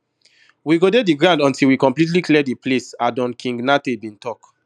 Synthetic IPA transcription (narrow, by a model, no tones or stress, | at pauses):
wiɡodediɡɹãʊ̃ndɔ̃ntilwikɔ̃mplit̬liklidiplesadɔ̃nkʰĩŋɡnatebĩntʰɔk